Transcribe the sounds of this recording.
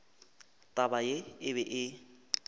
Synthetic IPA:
tʼabajeɪβɛʔɪ

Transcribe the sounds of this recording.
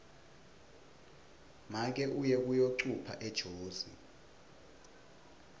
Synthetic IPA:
mak̬ɛʔujɛk̬ujoǀupʰa̰ʔɛd̥ʒ̥ʱoːzḭ

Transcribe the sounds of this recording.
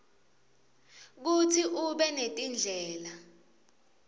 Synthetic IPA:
k̬utʰiʔuɓɛnetʼind͡ɮʱɛːla

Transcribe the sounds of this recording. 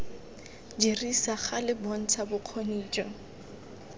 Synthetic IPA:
d͡ʒirisaχalɪbɔn̩t͡sʰabʊq͡χʰoniːt͡ʃʼɔ

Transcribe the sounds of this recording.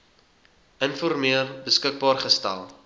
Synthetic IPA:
ənfɔrmiərbəskək̚bɑːrχəstæ̰lˠ

